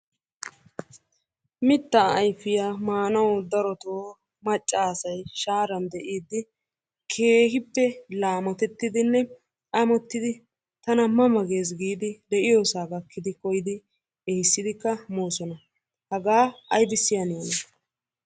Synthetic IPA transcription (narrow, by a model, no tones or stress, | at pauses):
mɪt̪ːɐːjfɪjaːmaːnɐwd̪ɐɾɔt̪oː | mɐt͡ʃʼːasɐjʃaːɾɐnd̪ɛʔiːd̪ːɪ | kʰeːɦɪpːɛlaːmɔt̪ɛt̪ːɪd̪ɪnːɛ | ɐmɔt̪ːɪd̪ɪ | t̪ɐnɐmːɐmɐɡe̞ːs̬ɡiːd̪ɪd̪ɛʔɪjoːsaːɡɐkːɪd̪ɪkɔjɪd̪ɪ | ɛhɪsːɪd̪ɪkːɐmoːsɔnɐ | hɐɡaːɐjd̪ɪsːɪjɐnɪjɐnɐ